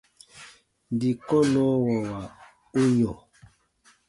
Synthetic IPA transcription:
n˨di˨kɔ˦lɔ˦wɔ˨wa˨ | u˦ɲɔ˨

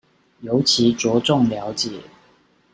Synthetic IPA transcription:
jo˧˥ʊt͡ɕʰi˨˥t͡swɔ˨˥ʈ͡ʂʊ˥˨ŋljɑ˨˥ʊt͡ɕjɛ˨˦

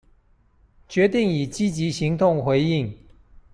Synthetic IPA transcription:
t͡ɕɥɛ˧˥t̪i˥˩ŋi˨˩t͡ɕi˥t͡ɕi˧˥ɕi˧˥ŋt̪ʊ˥˩ŋxwe˧˥ɪi˥˨ŋ

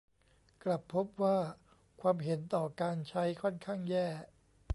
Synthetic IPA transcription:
kla˨˩pʰːo˦˥p̚waː˥˩ | kʰwaː˧mɦe˩˦nt̪ɔː˨˩kaː˧nt͡ɕʰa˦˥jkʰɔ˥˩nkʰaː˥˩ŋjɛː˥˩

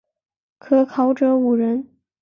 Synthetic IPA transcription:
kʰɤ˥kʰɑ˧˥ʊʈ͡ʂɤ˧˥u˨˩ɻə˧˥n

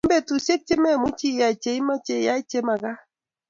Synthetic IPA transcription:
mbe˦˨tu˨se˦k̚t͡ʃe˦mɛ˦˨mu˦t͡ʃi˦˨ja˨i˨t͡ʃe˨˦i˦ma˦t͡ʃe˨ja˦i˦t͡ʃe˦ma˨ka˦

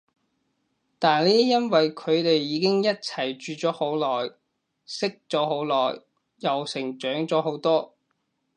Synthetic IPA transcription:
t̪aː˨nliː˥jɐ˥nwɐ˨jkʰɵ˨˧ɥt̪e˨jːiː˨˧kɪ˥ŋjɐ˥t̚t͡sʰɐ˨˩jt͡ʃyː˨t͡ʃɔː˨˥ho˨˥wlɔː˨˩j | sɪ˥k̚t͡sɔː˨˥ho˨˥wlɔː˨˩jː | ɐ˨wsɪ˨˩ŋt͡ʃœː˨˥ŋt͡ʃɔː˨˥ɦo˨˥wt̪ɔː˥

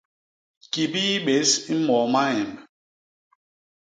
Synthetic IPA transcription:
ki˨bi˦ɓe˨˦si˦mɔ˨ma˦jɛ˨mb

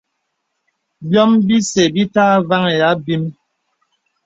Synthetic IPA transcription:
bjɔ˦mbi˦se˨bi˦taː˦va˦ŋe˨ja˨˦bi˦m

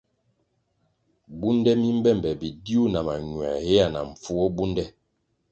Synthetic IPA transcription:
bu˦ndɛ˦mi˦m̩˦bɛ˦˨m˨bɛ˨bi˨di˦u˦na˨ma˨ɲwa̰˨he˦a˨na̰˨ɱ̩˨fu˦ɔ˦bu˦ndɛ˦

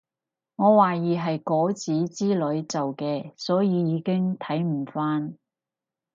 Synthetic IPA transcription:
ŋɔː˨˧waː˨jiː˨ɦɐ˨jkɔː˨˥t͡siː˨˥t͡siː˥lɵ˨˧˥ɥt͡sɐ˨wkɛː˧sɔː˨˥jiː˨˧jiː˨˧kɪ˥ŋt̪ʰɐ˨˥jm̩˨˩faː˥n

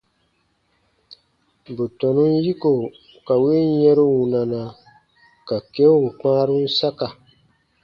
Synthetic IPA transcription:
bu˨tɔ˨nũ˦n˦ji˦ko˨ | ka˨we˦jɛ˦ɾo˦wũ˨na˨na˨ | ka˨ke˦u˨k͡pãː˦ɾũ˦n˦sa˦ka˨

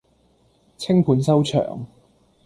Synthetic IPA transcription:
t͡sʰɪ˥ŋpʰuː˨˧˥nsɐ˥wt͡ʃʰœ̰ː˨˩ŋ

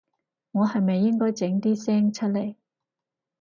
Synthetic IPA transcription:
ŋɔː˨˧hɐ˨jmɐ˨jːɪ˥ŋkɔː˥jt͡sɪ˨˥ŋt̪iː˥sɛː˥ŋt͡ʃʰɵ˥t̚le˨˩j

